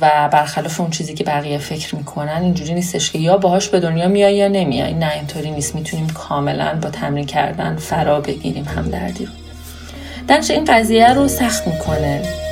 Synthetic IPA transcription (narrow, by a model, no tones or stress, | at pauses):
væbæɾxælɒːfe̞unt͡ʃʰiːziːcʰe̞bæɣijefe̞cʰɾmiːkʰo̞nænind͡ʒuːɾiːniːst̪e̞ʃcʰe̞jɒːbɒɦɒːʃbe̞d̪o̞njɒːmijɒjɒːne̞mḭjɒ̰jʔinːæint̪ʰoɾiːnist̪miːt̪ʰuniːmkʰɒːme̞læ̰nbɒːt̪ʰæmɾiːncʰæ̰ɾd̪æ̰nfæɾɒːbe̞ɟḭɾiːmhæ̰md̪æ̰ɾd̪ḭɾo | d̪̥ænt͡ʃʰeiːnɢæziːjæɾosæxt̪miːkʰo̞ne